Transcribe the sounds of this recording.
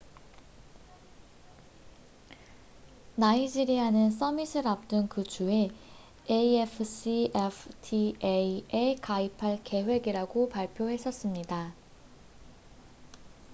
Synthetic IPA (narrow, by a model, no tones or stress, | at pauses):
naid͡ʑiɾiɦanɯns͈ʌmisʰɯɾap̚t͈ɯnkɯd͡ʑue̞ | eiepʰɯsiepʰtʰieekaipʰaɭke̞ɦwe̞ɡiɾaɡopaɭpʰjoɦe̞s͈ʰʌs͈ɯmɲida